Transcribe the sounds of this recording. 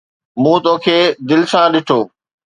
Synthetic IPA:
mũːt̪õːkʰeːd̪ɪlɪsãɗɪʈʰoː

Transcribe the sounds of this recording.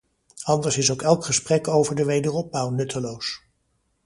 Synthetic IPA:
ɑndəɹsɪsowkɛlˠkχəsprɛkowvəɹdəʋejdərɔb̚bʌwnɵtəlows

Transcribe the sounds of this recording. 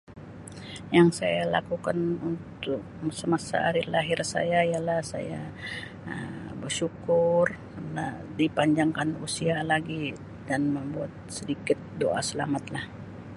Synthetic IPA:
jaŋsa̰jala̰kukanunt̪ʊk̚ | səmasa̰ːɾɪlaɦɪrsa̰jaijalahsa̰ja | ə̰bərʃukʊrkənadipaɲd͡ʒaŋkanusialaɡi | danməmbuat̪̚sədikɪt̪̚do̰ʔa̰səlamat̪lah

